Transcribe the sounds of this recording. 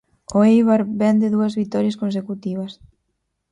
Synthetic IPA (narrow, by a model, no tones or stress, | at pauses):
oejβaɾbɛnd̪eðuɐzβit̪ɔɾjaskonsekut̪iβ̞ɐs